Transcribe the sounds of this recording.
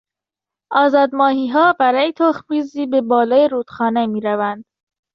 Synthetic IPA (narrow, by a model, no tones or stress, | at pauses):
ɒːzɒːd̪mɒːɦiːɦɒːbæɾɒːjet̪ʰoxviːziːbe̞bɒːlɒːjeɾuːd̪̥xɒːnemiːɾævænd̪̥